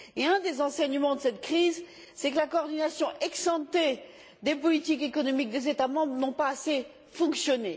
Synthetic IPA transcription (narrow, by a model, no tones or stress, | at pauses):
eɛ̃d̪ezɑ̃sɛɲmɑ̃d̪əsɛt̪kχiz | sɛkəlakoɔʁd̪inasjɔ̃ʔɛksɑ̃t̪e | d̪epɔlit̪ikekɔnɔmik̚d̪ezet̪amɑ̃bʁnɔ̃paːse | fɔ̃ksjɔne